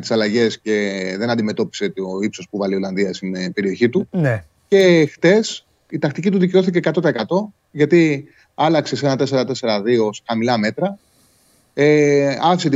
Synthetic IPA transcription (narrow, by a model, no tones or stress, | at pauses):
t̪i̥sɐlɐʝe̞sce̞ðe̞nɐnd̪ime̞t̪o̞pi̥set̪oipso̞spuvɐlio̞lɐnðiɐst̪inpe̞ɾio̞çit̪un | ce̞xθe̞s | it̪ɐkt̪icit̪uðice̞o̞θice̞ːkɐt̪ot̪ɐe̞kɐt̪o̞ | ʝɐt̪i | ɐlɐkse̞se̞nɐt̪e̞se̞ɾɐt̪e̞se̞ɾɐðio̞sxɐmilɐme̞t̪ɾɐ | eɐfiset̪i